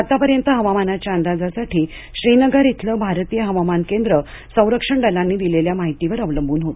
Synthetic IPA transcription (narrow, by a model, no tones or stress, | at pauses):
at̪apəɾjənt̪əɦəʋamanat͡ɕjaənd̪ad͡zasaʈʰiː | ɕɾinəɡəɾit̪ʰləbʱaɾt̪ijəɦəʋamankend̪ɾə | sə̃w̃ɾəkʂəɳɖalanːiːd̪ileljamaɦit̪iʋəɾəʋləmbʱuːnɦot̪